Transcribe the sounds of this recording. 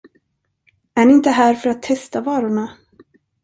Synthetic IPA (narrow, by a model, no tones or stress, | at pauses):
æɳɪɪnt̪əɦæːɾfœɾat̪ʰːɛst̪avɑːɾʊɳa